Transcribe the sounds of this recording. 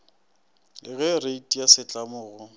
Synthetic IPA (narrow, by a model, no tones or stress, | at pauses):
ɪɣɛreitʼijasɪt͡ɬʼamʊːɣʊ